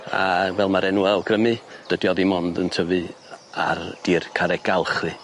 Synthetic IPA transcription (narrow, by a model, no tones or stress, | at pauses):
a̰vɛlˠmaɾɛnuɛlˠɡrəmɨd̥ədjɔbimɔndəntʰəvɨ | a̰rd̥iːrkʰaɾɛɡ̥alˠχɨ